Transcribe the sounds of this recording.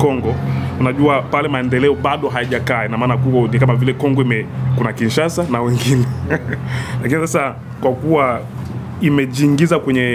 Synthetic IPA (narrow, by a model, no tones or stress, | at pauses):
kɔŋɡɔunaʄuapalɛmaɛndɛlɛɔɓaɗɔɦajaʄakaːinamaːnakukɔnikamavilɛkɔŋɡɔimɛkunakinʃasanawɛŋɡinɛ | lakinisasa | kwakuwa | imɛʄiŋɡizakwɛɲɛ